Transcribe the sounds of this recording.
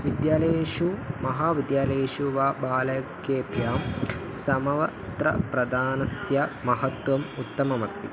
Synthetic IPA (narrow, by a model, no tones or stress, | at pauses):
ʋid̪jaːleːʃumɐɦaːʋid̪jaːleːʃuʋaːbaːlɐjɐkjeːbʱjaːm | sɐmɐʋɐst̪ɾɐ̰pɾɐd̪aːnɐsjɐmɐɦɐt̪ʋɐmut̪ːɐmɐmɐst̪ʰi